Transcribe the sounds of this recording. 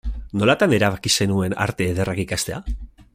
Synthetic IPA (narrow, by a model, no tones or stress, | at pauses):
no̞lat̪ane̞ɾaβakise̞nue̞na̰ɾt̪e̞ːðe̞rʔakikast̪e̞a